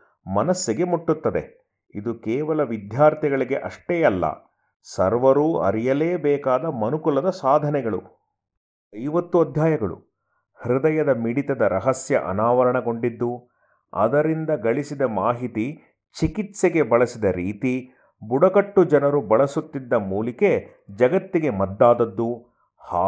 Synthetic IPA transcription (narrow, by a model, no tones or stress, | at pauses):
mɐnɐsːiɡe̞muʈːut̪ːɐd̪e̞̰ | id̪ukɛːʋɐlɐʋid̪ʱjaːɾt̪ɛɡɐɭiɡeʔɐʂʈeːjɐlːɐ̰ | sɐ̰ɾʋɐɾuːɐ̰ɾijɐleːbɛːkaːd̪ɐmɐnukulɐd̪ɐsaːd̪ʱɐnɛɡɐɭṵ | ɐjʋɐt̪ːuɐd̪ʱjaːjɐɡɐɭṵ | hɾid̪ɐjɐd̪ɐmiɽit̪ɐd̪ɐɾɐɦɐsjɐ̰ʔɐ̰naːʋɐɾɐɳɐɡo̞ɳɖid̪ːu | ɐ̰d̪ɐɾind̪ɐɡɐɭisid̪ɐmaːɦit̪i | t͡ʃikit̪seɡe̞bɐɭɐsid̪ɐɾiːt̪i | buɽɐkɐʈːud͡ʒɐnɐɾubɐɭɐsut̪ːid̪ːɐmuːlike̞ | d͡ʒɐɡɐt̪ːiɡe̞mɐd̪ːaːd̪ɐd̪ːu | haː